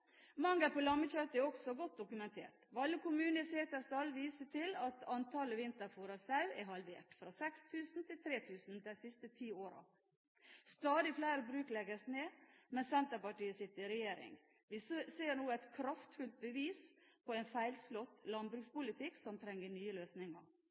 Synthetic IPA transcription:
mɑŋɡɑpʰɔlɑmːəc͡çœt̪ːəɛɾɔksɔɡɔt̪̚d̪ʊkʉmɛnt̪ʰḛːʈʋɑlːəkʊmʉːnəɪseːt̪əst̪ɑlʋiːsəʈʰɪlɑt̪ɑnt̪ʰɑləʋɪnt̪əɾfuːɾɑsɑʉɛɦɑlʋḛːʈfɾɑsɛkst̪ʰʉːsn̩t̪ʰɪlt̪ʰɾeːt̪ʰʉːsn̩d̪æɪsɪst̪ət̪ʰiːoːɾɑ̰ | st̪ɑːd̪ɪflæɪɾəbɾʉːklɛɡəsneːmɛnsɛnt̪əpɑʈiːəsɪt̪ːəɾɪɾɛjeːɾɪ̰ŋ | ʋɪseːɾnuːəɛt̪kʰɾɑft̪fʉlt̪̚bəʋiːspʰɔɛɪnfæɪlslɔt̪ːlɑnbɾʉːkspʊlɪt̪ʰɪksɔmt̪ʰɾɛŋːəɳyːəløːsnɪŋə̰ɾ

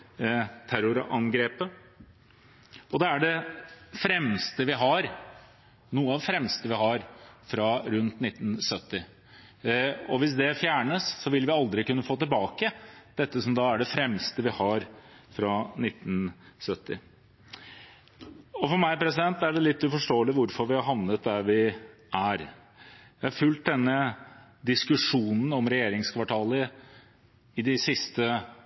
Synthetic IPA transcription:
t̪ʰæɾʊɾɑ̰ŋɡɾeːpə | ɔd̪ɛæɖɛfɾɛmst̪əʋɪɦɑɾ | nuːəɑʋfɾɛmst̪əʋɪɦɑɾfɾɑɾʉnt̪nɪt̪ːn̩sœt̪ːɪ | ɔʋɪs̬d̪ɛfjæːɳəsːɔʋɪlʋɪɑld̪ɾɪkʉnːəfoːt̪ɪlbɑːkəd̪̥ɛt̪ːəsɔmd̪ɑæɖɛfɾɛmst̪əʋɪhɑɾfɾɑnɪt̪ːn̩sœt̪ːɪ̰ | ɔfɔɾmæɪpɾɛs̬ɪd̪ɛnt̪ːæɖɛlɪt̪ːʉfɔʂʈoːəlɪʋʊɾfɔɾʋɪhɑɾɦɑʋnət̪̚d̪æɾʋɪ | ʔæɾ | jæɪhɑɾfʉlt̪̚d̪ɛnːə | d̪ɪskʉʂuːnn̩ɔmɾɛjeːɾɪŋskʰʋɑʈʰɑːlə | ɪd̪ɪsɪst̪ə

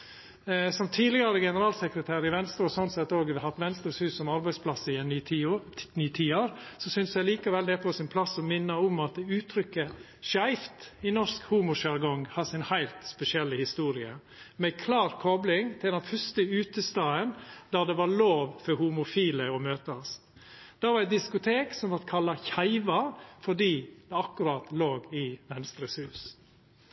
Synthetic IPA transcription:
sɔmt̪ʰiːd̪lɪɡɑɾəɡɛnəɾɑːlsɛkɾət̪ʰæːɾɪʋɛnst̪ɾɔsɔnt̪sɛt̪ːoːɡʋɪhɑt̪ʋɛnst̪ɾɔːshʉːssɔmɑɾbæɪspʰlɑsɪɛnːʰ | nyːt̪ʰiːoːɾsɔsʏnsjæɪliːkɑʋɛld̪ɛpʰɔsɪnpʰlɑsɔmɪnːəɔʊmɑt̪̚d̪ɛʉːt̪ʰɾʏkːə | ʃæɪft̪ɪnɔʂkhuːmʊʃæɾɡɔŋhɑsɪnhæɪlt̪spɛsɪɛlːəhɪst̪uːɾɪə | mɛkʰlɑːɾkʰɔblɪŋt̪ʰɪld̪ɛnfœʂt̪əʉːt̪əst̪ɑːənd̪̥æɾd̪ɛʋɑloːʋfɔɾhʊmʊfiːləɔmøːt̪ɑs | d̪̥ɑːʋɑɾæɪt̪̚d̪ɪskʊt̪ʰeːksɔmʋɑt̪kʰɑlːɑçæɪʋɑɾfɔɖiːd̪ɛɑkːʉɾɑːt̪loːɡɪʋɛnst̪ɾəshʉːs

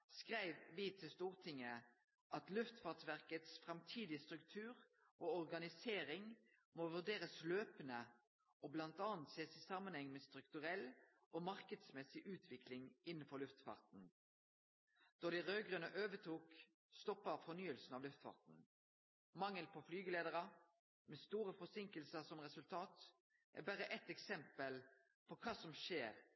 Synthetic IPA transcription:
skʁæɪʋʋɪt̪ʰɪlst̪uːʁt̪ʰɪŋːə | ʔɑt̪lʉft̪fɑːʁtʋæʁkət̪sfʁɛmt̪ʰiːd̪ɪəst̪ʁʉkt̪ʰʉːʁ | ʔoːɔʁɡɑnɪseːʁɪŋ | moːʋʉʁɖ̪eːʁəsløːpənə | ʔoːblɑnt̪ɑːnt̪seːsɪsɑmənhɛŋːmɛst̪ʁʉkt̪ʉʁɛl | ʔoːmɑʁkəd̪smɛsɪʔʉːt̪ʰʋɪklɪŋɪnːənfɔɾlʉft̪fɑ̰ːʁt̪n̩ | d̪̥ɔd̪ɪʁøːɡʁʉnəʔøːʋət̪ʰuːk | st̪ɔpːəfɔnyːəlsn̩ɑʋlʉft̪fɑ̰ːʁt̪n̩ | mɑŋːəlpʰɔflyːɡəleːd̪əʁə | mɛst̪uːɾəfɔsɪŋkəlsəsɔmʁɛsʉlt̪ʰɑːt̪ | ʔæ̰bæʁəʔɛt̪ɛksɛmpəl | pʰɔkʰɑːsɔmʃeːʁ

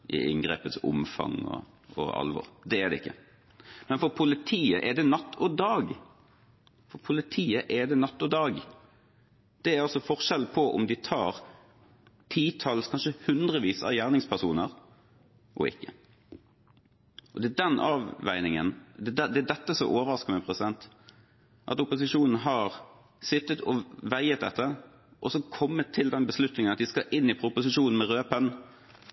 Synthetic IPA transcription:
ʔɪ̰ʔɪ̰ŋɡʁḛːpət̪sʊ̰mfɑ̰ŋːɔ̰ | ɔ̰ɑ̰lʋɔ̰ʁd̪ɛːd̪ɛ̰ɪkːə | mɛnfɔɾpʰʊlɪt̪ʰiːəʔɛd̪ɛnɑt̪ːɔd̪ɑːɡ | fɔpʰʊlɪt̪ʰiːəʔɛd̪ɛnɑt̪ːɔd̪ɑːɡ | d̪̥ɛæɾɑsɔfɔʁʃɛlpʰɔʔʊ̰md̪ɪt̪ʰɑːɾ | t̪ʰiːt̪ʰɑlskʰɑnʃəhʉnd̪ʁəʋiːsɑ̰ʋjæːʁnɪŋspʰæʁsuːnəʁ | ʔɔ̰ɪ̰kːə | ʔɔd̪ɛd̪ɛnʔɑːʋʋæ̰ɪnɪŋə̰nd̪ɛd̪ɛt̪ːəsɔ̰ʔoːʋəɾɑskəmæpʰʁɛsɪd̪ɛnt̪ | ʔɑ̰t̪ʊpʊsɪʂuːnn̩ɦɑʁ | sɪt̪ːət̪ʰɔʋæɪət̪̚d̪ɛ̰t̪ːə | ʔɔsɔkʰɔmːət̪ʰːɪld̪ɛnbəslʉt̪nɪŋnɑt̪̚d̪ɪskɑʔɪnːɪpʰɾʊpʊsɪʃuːnn̩mɛʁøːpən

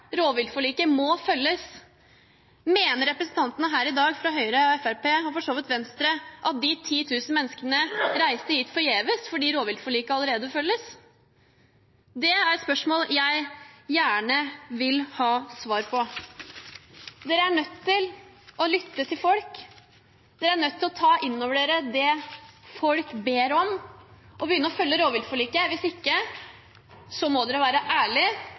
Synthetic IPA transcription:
ɾoːʋɪld̪fɔɭiːkəmɔfœlːəs | meːnəɾɛpɾəsn̩t̪ʰɑnt̪ənəɦæːɾɪd̪ɑːɡfɾɑɦœʏɾəɑʋɛfæɾpeːɔfɔʂoːʋɪt̪ʋɛnst̪ɾəʔɑt̪̚d̪ɪt̪ʰiːt̪ʰʉːsn̩mɛnːəskənəɾæɪst̪əhiːt̪fɔɾjeːʋəsfɔɖiːɾoːʋɪld̪fɔɭiːkəɑləɾeːd̪əfœlːəs | d̪ɛæɾɛt̪spœʂmoːljæɪjæːɳəʋɪlhɑːsʋɑːɾpʰɔ | d̪eːɾəæɳœt̪ːɪlɔlʏt̪ːət̪ʰɪlfɔlk | d̪̥eːɾəæɳœt̪ːɪlɔt̪ʰɑːʔɪnːɔːʋəɖ̪eːɾəd̪ɛfɔlkbeːɾɔmʔɔbəjʏnːəɾɔfœlːəɾoːʋɪld̪fɔɭiːkəʋɪsɪkːə | sɔmɔd̪ɛːɾɔʋæːɾəʔæːɭɪ

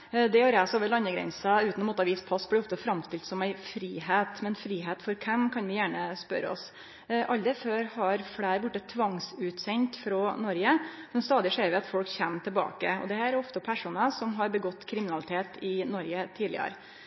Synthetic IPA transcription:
d̪ɛɔɾæːsoːʋəɾɭlɑnːəɡɾɛ̰nsɑʉːt̪nɔmɔt̪ːɑʋiːspʰɑsblɪɔft̪əfɾɑmst̪ɪlt̪sɔmæɪfɾiːheːt̪mɛnfɾiːɦeːt̪fɔɾkʰɛmkʰɑnʋɪjæːɳəspœ̰ɾəɔ̰s | ʔɑld̪ɛføːɾhɑɾflæːɾbʊʈːət̪ʰːʋɑŋsʉːt̪sɛɲt̪fɾɔnɔɾɡəɛst̪ɑːd̪ɪəʂeːɾʋɪɑt̪fɔlkçɛmt̪ʰɪlbɑ̰ːkəɔ̰d̪ɛhæːæɾɔft̪əpʰæʂuːnəsɔmɦɑɾbəɡɔt̪ːkʰɾɪmɪnɑlɪt̪ʰeːt̪ɪnɔɾɡət̪ʰiːd̪ɪ̰ə̰ɾ

